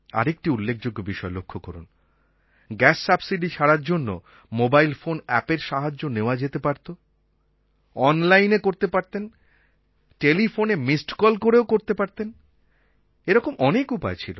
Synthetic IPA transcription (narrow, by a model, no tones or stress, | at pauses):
a̰ɾek̚ʈiulːekʰd͡ʑoɡːobiʃɔelokʰːokɔɾun | ɡɛsːabsiɖit͡ɕʰaɽaɾd͡ʑonːo̰ | mobajlfonɛpeɾʃaɦad͡ʑːoneoad͡ʑet̪epaɾt̪o | ɔnlajnekoɾt̪epaɾt̪en | ʈelifonemisʈkɔlkoɾeokoɾt̪epaɾt̪en | eɾɔkomɔnekupa̰et͡ɕʰilo̰